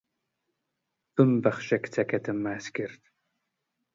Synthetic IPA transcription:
bɨmbɐχʃɐkt͡sʰɐkʰɐtʰɨmːaːskɪrtʰ

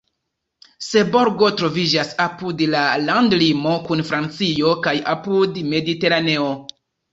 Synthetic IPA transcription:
se̞bo̞ɾɡo̞tɾo̞vid͡ʒasapudlalandlimo̞kunfɾant͡sio̞kaja̰pudme̞dite̞ɾane̞o̞

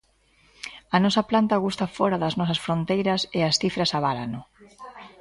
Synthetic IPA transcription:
ɐnɔsɐplant̪ɐɣust̪ɐfɔɾɐðɐznɔsɐsfɾont̪ejɾɐsɪɐsθifɾɐsaβala̰nʊ

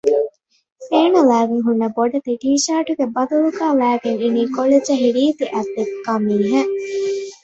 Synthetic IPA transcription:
eːnɐlæːɡiŋɦunːɐboɖɐt̪iʈiːʃaːʈuɡebɐd̪uluɡaːlæːɡeŋiniːkoled͡ʒɐɦiɾiːt̪iʔɐd̪ekːɐmiːɦɐ

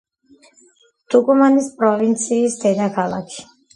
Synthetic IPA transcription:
t̪ʰukʼumanispʼɾɔvint̪sʰiːsd̪ɛd̪akʰalˠa̰kʰi̥

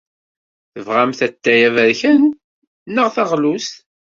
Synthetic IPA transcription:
θəvʁæmθæt̪ːæjævæɾçən | nːəʁθɑʁlust̪

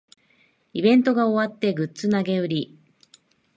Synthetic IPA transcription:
ibẽ̞nt̪o̞ɡao̞βat̪ːe̞ɡɯ̟t͡sɨnaɡe̞ɯ̟ɾʲi

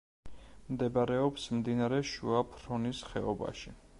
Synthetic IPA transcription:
md̪ɛbaɾɛɔpsmd̪inaɾɛʃṵapʰɾɔnisχɛ̰ɔba̰ʃi

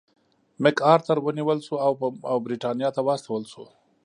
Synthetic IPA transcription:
mɪkɑɾt̪əɾwəniwəlsuawawbɾiʈɑnjɑt̪awɑst̪awəlʃu

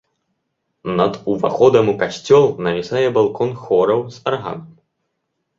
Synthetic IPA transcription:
nɐd̪uvaxɔd̪ɐmukasʲt͡sʲɔlˠnɐvʲisajɛbalˠkɔnxɔɾɐwzɐrɦa̰m

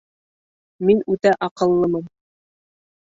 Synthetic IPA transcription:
minʉt̪æʔɑqɤ̆lˠːɤmɤm

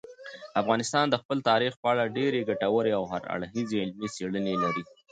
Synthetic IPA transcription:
afɣɑnɪst̪ɑnd̪əxpəlt̪ɑɾixpəaɭaɖeɾeɡaʈawəɾeawɦa̰ɾa̰ɽɦizeɪlmiseɽənelaɾi

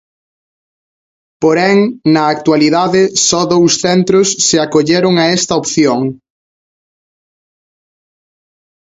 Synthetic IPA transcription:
poɾɛŋnɐːk̚t̪waliðaðɪsɔðowsθɛnt̪ɾʊsːɪakoʎeɾʊŋɐɛst̪ɐopθjoŋ

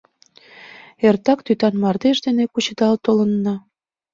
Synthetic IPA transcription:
ert̪ɑkt̪yt̪ɑnmɑrd̪eʃd̪enekut͡ɕə̆d̪ɑlt̪olə̆nːɑ

